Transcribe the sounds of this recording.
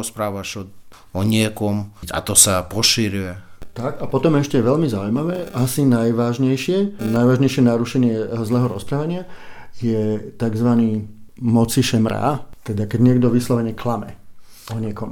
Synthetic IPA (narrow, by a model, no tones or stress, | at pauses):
ɔspɾaːʋaʃɔ | ɔɲɪɛkɔma̰t̪ɔsapɔʃiɾuɛt̪akapɔt̪ɔmɛʃcɛʋɛʎmizaujmaʋɛːʔasinajʋaːʒɲɛjʃɪɛnajʋaːʒɲɛjʃɪɛnaɾuʃɛɲɪɛzlɛːɦɔɾɔspɾaːʋaɲɪajɛt̪aɡzʋaniːmɔt͡siʃɛmɾa̰ːt̪ɛd̪akɛɟɲɪɛɡd̪ɔʋislɔʋɛɲɛklamɛ̰ | ɔɲɪɛkɔm